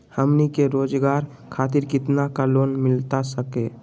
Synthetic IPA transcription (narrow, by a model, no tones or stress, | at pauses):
həmnikeɾoːd͡ʒɡaɾ | kʰat̪̬iɾkɪt̪nakaloːnmɪlt̪asəke